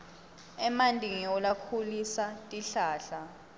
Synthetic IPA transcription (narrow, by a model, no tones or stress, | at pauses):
ɛmandʱʼiŋiɔlakʰulisatʼiɬaːɬa